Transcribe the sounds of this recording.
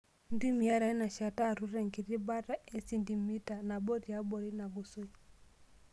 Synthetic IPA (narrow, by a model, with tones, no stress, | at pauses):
n˦di˦mi˨a˦ɾa˨˦na˨ʃa˨ta˦˨ɾu˦ɾɛ˨ŋɡi˨ɾi˦ba˦ɾa˦ɛ˦si˦ndi˨mi˦ta˨na˨bɔ˦ɾi˨ja˦bɔ˨ɾi˦na˨ɡu˨su˦i˨